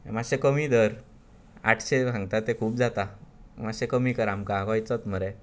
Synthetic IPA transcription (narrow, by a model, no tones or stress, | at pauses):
maɕekəmiːd̪əɾ | a̰ʈʰɕebʱãŋɡt̪at̪ekʰuːbd͡zat̪amaɕekəmiːkəɾamkaɡɔjt͡sɔt̪məɾe